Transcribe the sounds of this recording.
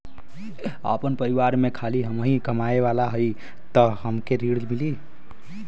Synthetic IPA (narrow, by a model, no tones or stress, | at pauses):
ə̰pənpəɾiʋaɾmekʰaliɦəmɦĩkəmaeʋalaɦəj | t̪əɦəmkeɾiɽlmili